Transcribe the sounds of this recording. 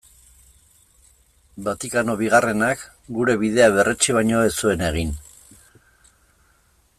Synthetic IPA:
bat̪ikano̞βiɣare̞nak | ɡuɾe̞βið̞e̞aβ̞e̞re̞t͡ʃiβ̞ajɲo̞esue̞ne̞ɣ̞in

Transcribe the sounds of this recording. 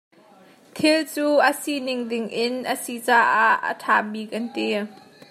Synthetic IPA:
t̪ʰɪlt͡suːʔəsinɪŋdɪŋʔɪnʔəsit͡saːʔaʔə̰tʰaːbiːk̚ʔɐnt̪i

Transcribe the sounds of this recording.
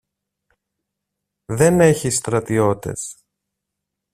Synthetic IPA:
ðe̞ne̞çist̪ɾɐt̪io̞t̪e̞̰s

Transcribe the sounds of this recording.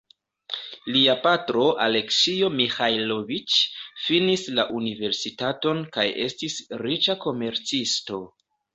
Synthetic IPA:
liapatɾo̞ʔale̞ksio̞mixajlo̞vit͡ʃfinislaʔunive̞ɾsitato̞nkaje̞̰stisɾit͡ʃako̞me̞ɾt͡sisto̞

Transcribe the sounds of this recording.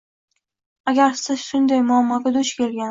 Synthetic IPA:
aɡʲaɾsɪz̥ʃʊnd̪ajmʊamːɒɡʲad̪ʊʃkʲʰe̞lɡʲan

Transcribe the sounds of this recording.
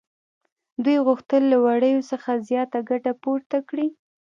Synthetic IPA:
d̪wujɣʊxt̪əlːawaɽəjosəxazjɑt̪aɡaʈapoɾt̪akɽi

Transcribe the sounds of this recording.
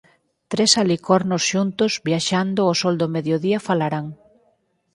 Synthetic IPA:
t̪ɾesalikɔɾnosʃunt̪ʊzβjaʃand̪ʊosɔld̪omeðjoðiɐfalaɾaŋ

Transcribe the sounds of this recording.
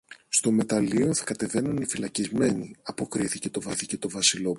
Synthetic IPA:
st̪o̞me̞t̪ɐlio̞θɐkɐt̪e̞ve̞nunifilɐcizme̞niɐpo̞kɾiθice̞t̪o̞vɐθice̞t̪o̞vɐsilo̞

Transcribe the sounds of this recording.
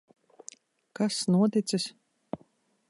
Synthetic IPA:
kasnuɔt̪it̪sɨs

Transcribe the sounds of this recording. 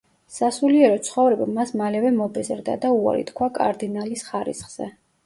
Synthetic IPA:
sasuliɛɾɔt̪sʰχɔvɾɛbamasmalɛvɛmɔbɛzɾd̪a̰d̪aua̰ɾḭt̪kʰwakʼa̰ɾd̪inalisχaɾḭsχz̥ɛ̰

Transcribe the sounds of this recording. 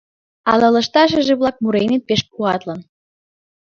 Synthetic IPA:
ɑlɤ̆lɤ̆ʃt̪ɑʃ̬ə̆ʒeβlɑk̚muɾenet̪̚peʃpuɑt̪lən

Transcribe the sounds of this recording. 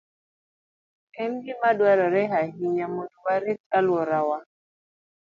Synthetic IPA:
ɛmɡimaɗwaɾɔɾɛɦaɦiɲamoduwaɾiskalwɔɾawa

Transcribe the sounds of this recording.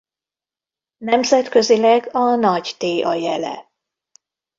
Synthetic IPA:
nɛmzɛt̪kø̞zilɛɡɒnɒɟt̪eːʔɒjɛlɛ̰

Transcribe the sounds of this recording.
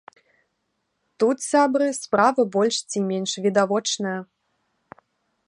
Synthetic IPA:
t̪ut̪sʲabrɨspravɐbɔlʲʂt͡sʲimʲenʲʂvʲid̪avɔt͡ʂnɐjɐ

